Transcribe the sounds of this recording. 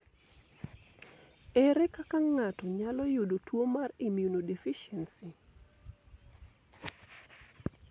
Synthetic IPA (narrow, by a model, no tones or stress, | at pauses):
ɛɾɛkakaŋatɔɲalɔjʊdotwomarimjunodefiʃɛnsi